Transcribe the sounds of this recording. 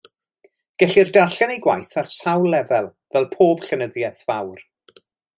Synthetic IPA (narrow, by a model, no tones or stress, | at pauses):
ɡ̥ɛɬirdarɬanejɡwajθarsawlːɛvɛlˠvɛlˠpʰoːb̥ɬənəðjɛθv̥awr